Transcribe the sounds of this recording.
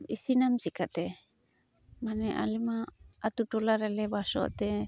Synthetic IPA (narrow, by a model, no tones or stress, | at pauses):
isinamsikat̪ɛ | manɛʔa̰limaːt̪uʈɔlaɾɛlɛbasɔ̰ʔt̪ɛ